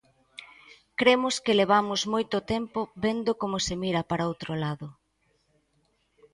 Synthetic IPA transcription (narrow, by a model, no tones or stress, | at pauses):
kɾemʊskɪleβ̞amʊzmojt̪ʊt̪empobend̪ʊkomosemiɾɐpaɾaowt̪ɾolaðʊ